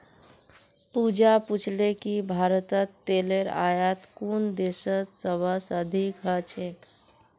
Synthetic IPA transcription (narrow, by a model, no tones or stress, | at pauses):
pud͡ʒaput͡ʃʰlekibʱaɾət̪ət̪ːeleɾa̰jət̪kund̪esət̪səbʱəsəd̪ʱikɦət͡ʃʰek